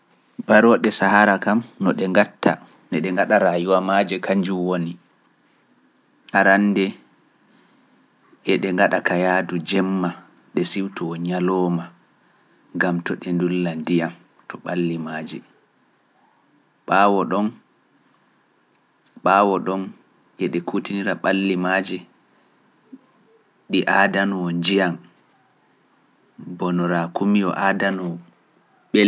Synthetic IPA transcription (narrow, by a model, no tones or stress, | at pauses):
baɾɔɗɛsahaɾakamnɔɗɛŋɡatʰːa̰ | nɛɗɛŋɡaɗaɾajuwamaːd͡ʒɛkaɲd͡ʒuwoni | ʔaɾanːdɛ | ʔɛɗɛŋɡaɗakajaːdud͡ʒɛmːa | ɗɛsiwtɔɔɲalɔːma | ŋɡamtɔɗɛndulːandijam | tʰɔɓalːimaːd͡ʒɛ | ɓaːwɔɗɔn | ɓaːwɔɗɔn | ʔɛɗɛkʰutiniɾaɓalːimad͡ʒɛ | ɗiʔaːdanɔɔnd͡ʒijam | bɔnɔɾakumiɔ̰ʔadanɔ | ɓɛl